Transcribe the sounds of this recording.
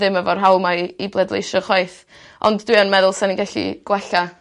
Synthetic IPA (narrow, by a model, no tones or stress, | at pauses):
ðɪməvɔrɦawˠmaiblˠɛdlˠḛjʃɔχɔjθ | ʔɔ̰nddwiənmɛðʊlˠsɛninɡɛɬḭɡ̥wɛɬa